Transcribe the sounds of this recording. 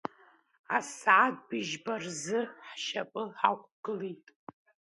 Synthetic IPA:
asʕatʼbɨʒbarzɨħʃapʼɨħa̰kʷɡ̥ɨlitʼ

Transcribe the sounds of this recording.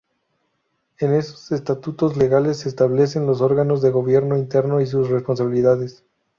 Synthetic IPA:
e̞ne̞so̥se̞st̪at̪ut̪o̞zle̞ɣale̞sːeːst̪aβle̞s̬e̞nlo̞s̬o̞ɾɣano̞zðe̞ɣo̞β̞je̞ɾno̞int̪e̞ɾno̞is̬usre̞spo̞ns̬aβiliðaðe̞s

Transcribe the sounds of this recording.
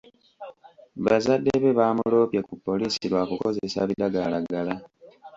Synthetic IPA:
βazadːeβeβaːmulo̞ːpjekupːo̞liːsiɾwakuko̞zesa̰βidaɡalaɡala

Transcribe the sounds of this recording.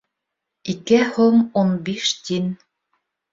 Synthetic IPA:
ikɘhumunbiʃt̪ʲin

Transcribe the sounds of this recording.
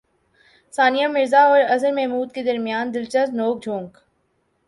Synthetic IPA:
saːnijamɪɾzaɔːɾɐzəɾmɛɦmuːd̪̚ked̪ɐɾmijaːnd̪ɪlt͡ʃəznoːk̚d͡ʒʱõːŋk

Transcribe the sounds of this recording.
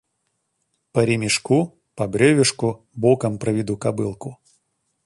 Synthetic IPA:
pɐɾʲɪmʲɪʂku | pɐbɾʲevʲɪʂkʊ | bokəmpɾɐvʲɪd̪ukabɨlˠkʊ

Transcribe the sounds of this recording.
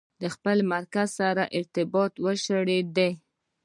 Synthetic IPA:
d̪əxpəlmaɾkazsaɾaʔɪɾt̪ɪbɑt̪wəʃəɽed̪e

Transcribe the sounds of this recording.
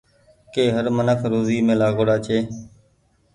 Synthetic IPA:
keːɦəɾmənəkʰɾoːziːmẽːlaːɡoːɽaːt͡ʃʰeː

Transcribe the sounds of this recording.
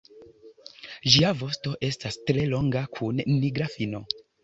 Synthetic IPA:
ʒiavo̞sto̞ʔe̞stastɾe̞lo̞ŋɡakʰunːiɡɾafino̞

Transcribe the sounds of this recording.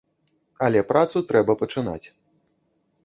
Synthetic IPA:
ɐlʲɛpɾat̪sut̪ɾɛbɐpɐt͡ʂɨna̰t͡sʲ

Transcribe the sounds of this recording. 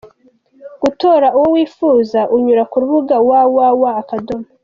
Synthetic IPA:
ɡ̥utoːɾauwowiːfuːzaʔuɲuɾakuɾuβuɡawawawaːkadoma

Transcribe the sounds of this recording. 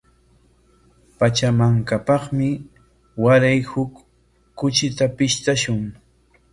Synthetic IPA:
pat͡ʃamaŋkapɑχmɪ | waɾajhʊkː | ʊt͡ʃɪt̪apɪʃt̪aʃʊŋ

